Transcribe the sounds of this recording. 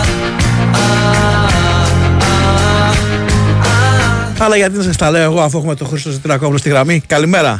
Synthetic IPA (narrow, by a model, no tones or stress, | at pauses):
ɐlɐʝɐt̪̬inɐs̬ɐst̪ɐleoeɣo̞ɐfue̞xume̞t̪o̞xɾist̪osit̪iɾɐkoplost̪iɣɾɐmikɐlime̞ɾɐ̰